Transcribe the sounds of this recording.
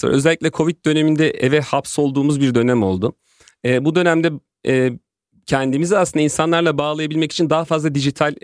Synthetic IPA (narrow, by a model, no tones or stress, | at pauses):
o̰ɾø̞zɛlʲːicʲlʲɛkʰo̞vit̪̚d̪ø̞ne̞mind̪ɛʔevɛhapso̞lˠd̪uːmuzbiɾd̪ø̞næmo̞̰lˠd̪ʊ | ɛːbud̪ø̞næmd̪ɛ | ɛː | cʰɛnd̪imiziasɯnd̪ainsanlˠaɾlˠabaːlˠajabilʲmɛci̥t͡ʃʰind̪aɦafazlˠad̪id͡ʒit̪ʰalʲ